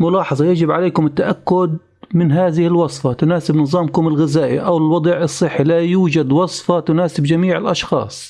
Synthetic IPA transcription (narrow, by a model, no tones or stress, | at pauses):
mʊlɑːħɑðˤɑjad͡ʒɪbʕaleːkʊmɪt̪ːaʔakːʊd̪ | mɪnɦaːðɪhɪlwɑsˤfɑt̪ʊnaːsɪbnɨðˤɑːmkʊmɪlɣɪzaːʔiʔawlwɑd̪ˤʕɨsˤːɨħːilajuːd͡ʒad̪wɑsˤfɑt̪ʊnaːsɪbd͡ʒamiːʕɪlʔɑʃxɑ̰ːsˤ